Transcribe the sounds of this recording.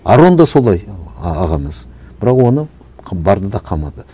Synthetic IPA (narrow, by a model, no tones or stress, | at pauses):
ɑ̰ɾo̞nd̪ɑso̞lˠɑjɑʁɑməz̥bɪɾɑqwo̞nə | bɑɾd̪əd̪ɑqʰɑmɑd̪ə